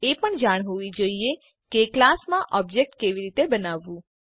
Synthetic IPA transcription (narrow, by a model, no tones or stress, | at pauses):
epəɳd͡ʒaɽ̃ɦoid͡ʒəie | keklasmãʔɔbd͡ʒek̚ʈkeʋiɾit̪ebənaʋːũ